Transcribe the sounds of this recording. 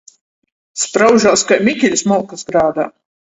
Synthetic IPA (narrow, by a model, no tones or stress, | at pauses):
spɾawʒaːskajmʲikʲilʲsmɔːkasɡɾaːd̪aː